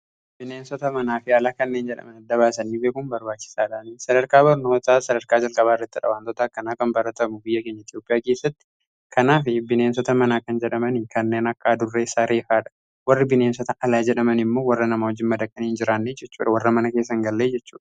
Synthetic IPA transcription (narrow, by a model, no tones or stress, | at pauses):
bɪneːnsɔt̪ɐmɐnaːfɪɐlaːkɐnːeːnd͡ʒɛᶑɐ̰mɐnɐd̪ːɐβaːsɐniːbeːkʊmbɐɾbaːt͡ʃːɪ̥saːᶑaːnisɐd̪ɐɾkaːbɐɾno̞ːt̪aːsɐd̪ɐɾkaːd͡ʒɐlkʼɐβaːɪrːɐt̪ːɪᶑɐ̰waːnt̪ɔt̪ɐɐkːɐnaːkɐmbɐɾɐt̪ɐmʊbɪjːɐke̞ːɲːɐɪt̪joːpʼɪjaːke̞ːsːɐt̪ːɪ̥ | kʰɐnaːfɪbɪneːnsɔt̪ɐmɐnaːkɐnd͡ʒɛᶑɐmɐnɪkɐnːe̞ːnɐkʼːaːd̪ʊrːeːsaːɾʔe̞ːfaːᶑɐ̥ | wɐrːɪbɪne̞ːnsɔt̪ɐʔɐlaːd͡ʒɛᶑɐmɐnɪmːo̞ːwɐrːɐnɐmaːhɔd͡ʒːɪnmɐd̪ɐkʼːɐniːnd͡ʒɪɾaːnːeːd͡ʒɛt͡ʃːṵːᶑɐwɐrːɐmɐnɐke̞ːsːɐŋɡɐlːeːd͡ʒɛt͡ʃːṵːᶑɐ̥